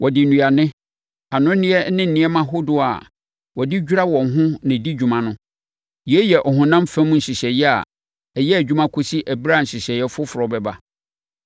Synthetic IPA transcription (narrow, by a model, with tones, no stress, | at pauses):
wʔɔ˨dɪ˨nũ˨a˨nɪ̃˦ | a˨nʊ̃˦nɪ̃˦ɛ˦nɪ̃˦n̩˨nɪ̃˦ɛ˦mã˦ɦo˦dʊ˦a̰˨ | wɔ˨dɪ˦d͡ʑᶣu˦ɾa˦wɔ̃˨ŋ˨ɦʊ̃˦nɪ̃˨di˦d͡ʑᶣu˨mã˦nʊ̃˦ | ji˨ɛ˦jɛ˨ʔɔ˨ɦʊ̃˨nã˦m˦fɛ̃˦m̃˦n̩˨ɕi˨ɕɛ˨jɛ˦a̰˨ | ɛ˨jɛ˦æ˨d͡ʑᶣu˦mã˦kʰʊ˦si˦ʔæ˨bi˦ɾa˦˨n̩˨ɕi˨ɕɛ˨jɛ˦fʊ˦fʊ˨ɾɔ˨bɛ˨ba˦